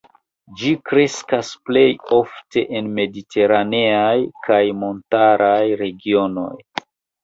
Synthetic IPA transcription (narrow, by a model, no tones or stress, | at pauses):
d͡ʒikɾe̞skasple̞jo̞fte̞ʔenme̞ditʰe̞ɾaneajkʰajmo̞ntaɾʔajɾe̞ɡio̞no̞̰j